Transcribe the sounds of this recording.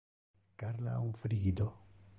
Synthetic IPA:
kaɾla̰ufɾiɡid̪o

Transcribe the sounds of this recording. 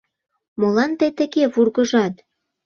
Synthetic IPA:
molɑnt̪ət̪ə̆ɣeβurɣəʒɑt̪

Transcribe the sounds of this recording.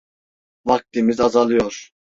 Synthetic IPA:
vak̚t̪imizazalˠɯjoɾ̥

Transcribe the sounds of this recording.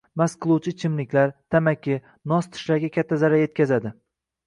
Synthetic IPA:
masqʰɨlˠuwt͡ʃʰɪt͡ʃʰɪmlɪkʲlaɾt̪ʰamakʲɪ | nɒst̪ʰɪ̥ʃlaɾɡʲakʲʰat̪ʰːazaɾaje̞t̪̚kʲʰazad̪ɪ

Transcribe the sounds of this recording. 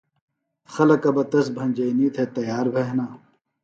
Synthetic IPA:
xɐlɐkɐbɐt̪ɐsbʱɐnʲd͡ʑɐiniːt̪ʰet̪ɐjaːɾbʱeɦnaː

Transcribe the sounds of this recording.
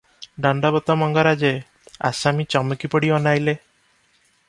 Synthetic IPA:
ɖɔɳɖabɔt̪ɔmɔŋɡaɾad͡ʒe | a̰samit͡ʃɔmɔkipɔɽiɔnajle

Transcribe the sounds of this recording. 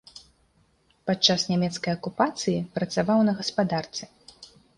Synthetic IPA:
pat͡ʂːasnʲamʲɛt̪skɐjɐkupat̪sɨjipɾɐt̪savawnɐɣɐspad̪art̪sɨ

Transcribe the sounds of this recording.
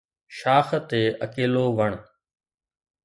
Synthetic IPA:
ʃaːxt̪eːʔəkeːloːʋəɳ̃

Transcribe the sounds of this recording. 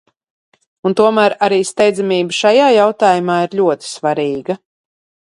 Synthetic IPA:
unt̪uɔmæːɾaɾiːst̪ɛjd̪zamiːbəʃajaːjawt̪aːjumaːiɾʎʲuɔt̪i̥svaɾiːɡɐ

